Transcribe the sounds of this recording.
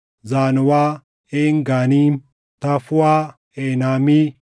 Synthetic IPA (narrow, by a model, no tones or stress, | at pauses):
zaːnʊwaː | eːŋɡaːniː | t̪ɐfʊwaː | eːnaːmi